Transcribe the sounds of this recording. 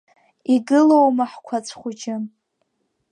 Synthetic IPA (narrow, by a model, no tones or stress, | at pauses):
iɡɨlowmaħkʷʰat͡sʷʰχʷʊd͡ʒɪ